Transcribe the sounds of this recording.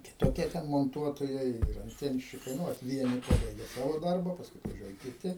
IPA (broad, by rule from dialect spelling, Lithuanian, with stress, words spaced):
kʲɪtoːˈkʲiɛ tʲɛn moːnˈtuɔtoːjɛɪ ɪr ɐnʲˈtʲiɛnʲʃʲt͡ʃʲɪkɐɪ ˈnʊ ʋɐt ˈʋʲiɛnʲɪ ˈpɑːbɐɪɡʲɛ ˈsɑːʋoː ˈdɐrbɐ ˈpɑːskʊɪ ɐtʋɐˈʒʲuɔjɛ kʲɪˈtʲɪ